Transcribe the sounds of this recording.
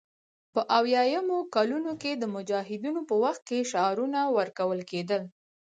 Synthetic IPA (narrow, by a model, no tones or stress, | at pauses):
pəʔawjɑjamokalunoked̪əmʊd͡ʒɑɦɪd̪inopəwaxt̪̚keʃaɾunawəɾkawəlked̪əl